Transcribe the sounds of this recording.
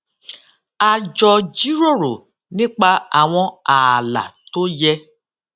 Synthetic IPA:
a˧d͡ʒɔ˧d͡ʒi˨˦ɾo˦˨ɾo˨ | nĩ˦k͡pa˧a˨w̃ɔ̃˧a˨la̰˨to˦jɛ˧

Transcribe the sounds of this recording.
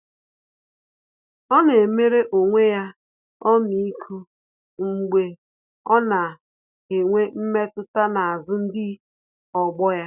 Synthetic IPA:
ɔ˦ne˨me˦ɾe˦ʔo˨ŋʷe˦ja˦ | ɔ˦mi˨i˦kʰu˦ | ŋ͡m̩˦ɡ͡be˦ | ɔ˦na˨ | e˨ŋʷe˦m̩˦me˦tʊ˦ta˦na˨a˨zʊ˦n̩˦dɪ˦ | ɔ˨ɡ͡bɔ˦ja˦

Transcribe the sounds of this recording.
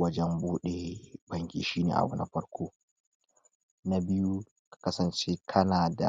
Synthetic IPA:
wɐ˦d͡ʒɛ˦mbuː˦ɗe˨bɐ˦ŋkʲḭː˨ʃiː˦nḛː˨ʔa̰˨wɐ˦na̰˦ɸɐ˦ɽkʷoː˦ | na˦bɪ˦ju˦ | kḁ˨kɐ˦sɐ˨nt͡ʃe˦kʰɐ˦naː˨da̰˨

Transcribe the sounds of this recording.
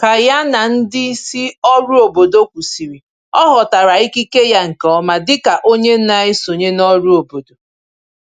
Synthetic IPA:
ka˨ja˦na˨n̩˦dɪ˦si˦ɔ˦ɾu˦o˨bo˨do˦kʷu˨si˨ɾi˨ | ɔ˦ɦɔ˨ta˨ɾa˨i˦ki˦ke˦ja˦ŋ̩˨kɔ˦ma˦dɪ˦ka˨ʔo˦ɲe˦n̩˦na˨ɪ˦so˨ɲe˦nɔ˦ɾu˦o˨bo˨do˨

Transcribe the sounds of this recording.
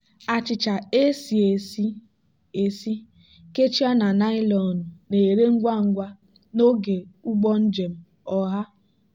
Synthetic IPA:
a˨t͡ʃɪ˨t͡ʃa˨e˦si˨e˨si˦ | e˨si˦ | ke˦t͡ʃi˦a˦na˨na˦ɪ˦lɔ˨n̩˨ne˨ɾe˦ŋ̩˦ɡʷa˦ŋ̩˦ɡʷa˦ | no˦ɡe˨u˦ɡ͡bɔ˦n̩˦d͡ʒe˨m̩˨ | ɔ˨ɦa˦

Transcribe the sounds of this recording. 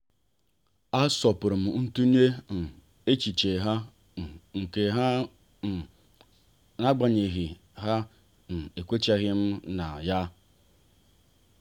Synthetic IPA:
a˦sɔ˨pʊ˨ɾʊ˨m̩˨n̩˦tu˦ɲe˦n̩˨ | e˦t͡ʃi˨t͡ʃe˨ɦa˦˨ | ŋ̩˨ke˨ɦa˦˨ | na˦ɡ͡ba˨ɲe˨ɣi˨ | ɦa˦ | n̩˨e˨kʷe˦t͡ʃa˦ɣɪ˦m̩˦na˨ja˦

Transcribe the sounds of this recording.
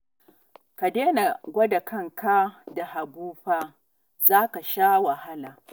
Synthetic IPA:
ka˨deː˦na˨ɡʷɐ˦da˨kɐ˦˨ŋka˦da˨ha˨buː˦ɸaː˦ | zaː˦ka˨ʃaː˦wa˨ha˦laː˨

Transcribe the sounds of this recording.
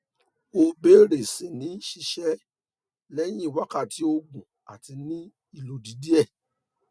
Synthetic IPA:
o˧be˦ɾe˨se˨nĩ˨˦ʃi˧ʃɛ˦ | lɛ˦j̃ĩ˦i˨wa˦ka˦˨ti˨˦o˧ɡũ˨ | a̰˨ti˧nĩ˦ | i˦˨lo˨˦di˨˦di˦ɛ˦˨

